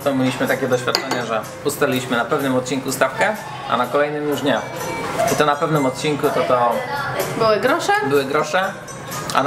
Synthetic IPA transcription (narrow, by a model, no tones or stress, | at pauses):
t̪ɔmʲilʲiɕmɘt̪akʲɛd̪ɔɕfʲjat̪̚t͡ʂɛɲaʐɛ | ust̪alʲilʲiɕmɘnapɛvnɘmɔt̪̚t͡ɕiŋkust̪afkɛ | ʔa̰nakɔlɛjnɘmjuʐɲɛ | it̪ɔnapɛvnɘmɔt̪̚t͡ɕiŋkut̪ɔt̪ɔ | bɘwɘɡɾɔʂɛbɘwɘɡɾɔʂɛ | a̰n